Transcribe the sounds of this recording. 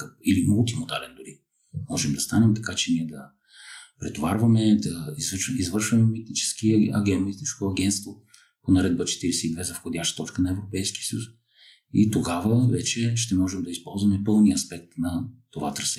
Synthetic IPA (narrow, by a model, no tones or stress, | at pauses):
kp̚ilimulˠt̪̬imod̪alɛnd̪ʊɾi | mɔʒɛmd̪ɐst̪anɛmt̪ɐ̥kat͡ʃɛniɛd̪ɐ | pɾɛt̪ovaɾvɐmɛd̪ɐizizvɤɾʃvɐmɛmit̪̚nit͡ʃɛ̥skiɐ̰ɡɛɐmit̪t̪iskoɐɡʲɛnt̪t̪vo | ponɐɾɛd̪̚bət͡ʃɛ̥t̪iɾɛsɛid̪vɛzɐfxod̪ʲjaʃt̪ə̥t̪ɔt͡ʃkənɐɛvɾopɛjski̥əsəjus | it̪oɡavəvɛt͡ʃɛʃt̪ɛmɔʒɛmd̪ɐispɔlˠzvɐmɛpɤlˠniɐspɛk̚t̪nɐt̪ova̰t̪ɾɐsɛ